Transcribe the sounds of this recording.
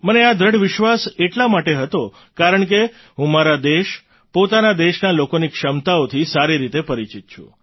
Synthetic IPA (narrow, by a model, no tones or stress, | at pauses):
mənead̪ʱɾəɽʋɪʃʋaseʈlamaʈeɦət̪o | kaɾəɳke | ɦũmaɾad̪eʃ | pot̪anad̪eʃnalokonikʃəmt̪aot̪ʰisaɾiɾit̪epəɾit͡ʃit̪̚t͡ʃʰṵ̃